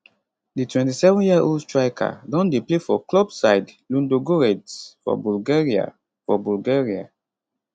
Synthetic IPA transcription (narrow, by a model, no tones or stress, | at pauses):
ditwɛ̃ntisɛvɔ̃njiaʔoldtɹaɪkʰa̰dɔ̃ndeplefɔklɔbsaɪdlũndoɡoɹɛdsfɔ̰bulɡeɹia̰ | fɔbulɡeɹia̰